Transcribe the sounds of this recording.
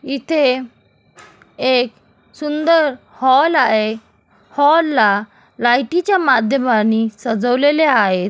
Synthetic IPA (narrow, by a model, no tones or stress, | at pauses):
it̪ʰe | ek | sund̪əɾ | hɔlaɦe | hɔlːa | lajʈit͡ɕjamad̪ʱjəmanisəd͡zəʋleleaɦet̪